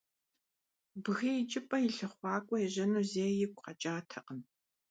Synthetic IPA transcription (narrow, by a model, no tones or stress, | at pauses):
bɨɣijɪt͡ʃʼɪpʼɐjɪɬɨχʷɑːkʷʼɔɛʑɐnuːzeːjɪkʷʰʼqɐt͡ʃʼaːtʰɐqəm